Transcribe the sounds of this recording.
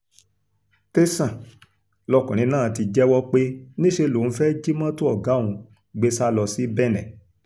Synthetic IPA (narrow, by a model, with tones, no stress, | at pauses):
te˦sã˦˨ | lɔ˧kũ˨ɾ̃ĩ˨˦nãː˦˨˧ti˧d͡ʒɛ˦wɔ˦k͡pe˦nĩ˦ʃe˧lõ˨˦fɛ˦d͡ʒi˦mã˦to˦ɔ˦˨ɡa˨˦˨ũ˧ | ɡ͡be˦sa˦lɔ˧si˦bɛ˦˨nɛ̃˨